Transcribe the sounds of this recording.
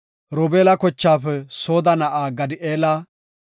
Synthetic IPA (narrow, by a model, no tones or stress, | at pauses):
ɾɔbeːlɐkɔt͡ʃːaːpɛso̞ːd̪ɐnɐʔaːɡɐd̪ɪʔeːlaː